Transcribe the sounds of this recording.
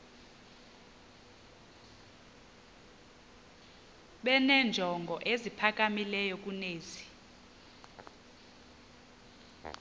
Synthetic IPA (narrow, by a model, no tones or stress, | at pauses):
ɓɛnɛnd͡ʒʱɔŋɡʱɔʔezipʰak̬ʼamilɛjɔk̬ʼuneːzi